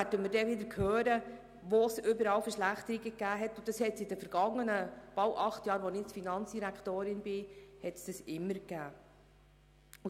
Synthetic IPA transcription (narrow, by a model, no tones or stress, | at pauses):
ædəməɾdɛʋɪd̪əɾkʰhøːɾə | ʋosʏbəɾɑːwfəɾʃlæχt̪əɾiɡəkːæːɦɛt̪ːʊd̥̪ɑshɛtsɪdəfəɾɡ̥ɑŋːənəb̥ɑwʔɑχt̪jɑːɾʋɔnɪfinɑnt͡sd̥iɾækt̪oːɾɪnbɪhɛtsd̥ɑsɪmːəɾkæː | ʊ